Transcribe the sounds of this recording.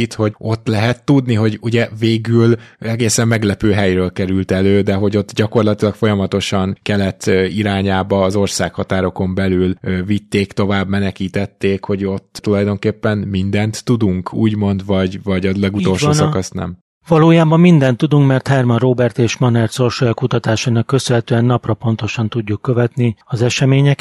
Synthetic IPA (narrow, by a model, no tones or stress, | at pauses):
it̪ho̞ɟo̞t̪ːlɛɦɛt̪ːud̪niɦo̞ɟuɟɛveːɡylɛɡeːsɛmːɛɡlɛpøːɦɛjɾøːlkɛɾylt̪ɛløːd̪ɛɦo̞ɟo̞t̪ːɟɒko̞rlɒt̪ilɒkfo̞jɒmɒt̪o̞ʃɒŋkɛlɛt̪ːiɾaːɲaːbɒːzo̞rsaːkhɒt̪aːɾo̞ko̞mbɛlylvit̪ːeːkt̪o̞vaːbmɛnɛkiːt̪ɛt̪ːeːkho̞ɟo̞t̪ːt̪ulɒjd̪o̞ŋkeːpːɛnmind̪ɛnt̪ːud̪uŋkʰṵːɟmo̞nd̪vɒɟvɒɟɒlɛɡuolʃsosɒkɒsnɛ̰m | vɒloːjaːbɒmːind̪ɛnt̪ːud̪uŋkmɛrt̪hɛrmɒnroːbɛrt̪eːʃmɒnɛrt̪so̞rʃojɒkut̪ɒt̪aːʃanɒkːøsønɦɛt̪øːɛnːɒprɒpo̞nt̪o̞ʃɒnt̪uɟːukːøvɛt̪niɒzɛʃɛmeːɲɛk